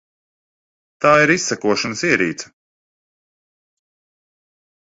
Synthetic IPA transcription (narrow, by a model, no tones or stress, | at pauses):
t̪aːiɾisːɛkuɔʃanɐsiɛɾiːt̪sɐ̥